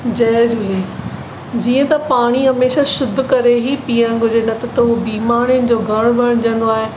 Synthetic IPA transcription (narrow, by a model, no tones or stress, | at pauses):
d͡ʑɐːd͡ʑuliː | d͡ʑiːə̃t̪ɐpaːɽ̃iɦɐmeːʃaʃʊd̪ʱkɐɾeɦipiːəɽ̃ɡʱʊd͡ʑenɐt̪ʰt̪ɐʊobiːmaːɾ̃ijʊnɪ̆d͡ʑoːɡʱɐɽ̃bɐɽ̃d͡ʑɐ̃nd̪oaːɦe